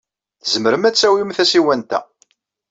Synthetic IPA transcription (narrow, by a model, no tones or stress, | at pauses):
θəzəməɾəmæt͡sːæwimθæsiwænt̪æ̰